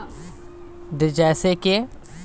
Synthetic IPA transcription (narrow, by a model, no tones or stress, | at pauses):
d̪ɪd͡ʒɛːseke